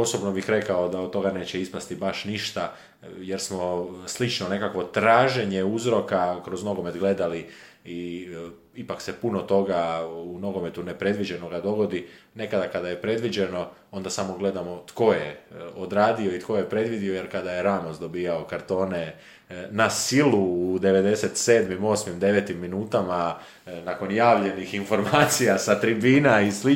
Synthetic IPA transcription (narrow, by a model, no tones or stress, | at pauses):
oso̞bnobixɾe̞kaod̪aod̪t̪o̞ɡaneːt͡ɕeispast̪ibaʃniʃt̪a | jeɾsmo̞slit͡ʃnone̞kakʋo̞t̪ɾaːʒe̞ɲeuzɾo̞kakɾo̞zno̞ɡo̞me̞t̪ɡle̞d̪alii | ipaksepunot̪o̞ɡauno̞ɡo̞me̞t̪unepɾe̞d̪ʋid͡ʑeno̞ɡad̪o̞ɡo̞d̪i | ne̞kad̪akad̪ajepɾe̞d̪ʋid͡ʑeno̞o̞nd̪asamo̞ɡle̞d̪amo̞t̪ko̞jeod̪ɾaːd̪io̞it̪ko̞jepɾe̞d̪ʋid̪io̞je̞ɾkad̪aje̞ɾaːmozd̪o̞biːjaokaɾt̪o̞ːne̞ | nasiluːd̪e̞ʋe̞d̪e̞se̞t̪se̞ːd̪mimo̞ːsmimd̪e̞ʋet̪imːinuːt̪ama | nako̞njaːʋʎe̞nixinfo̞ɾmaːt̪sijasat̪ɾibiːnaisli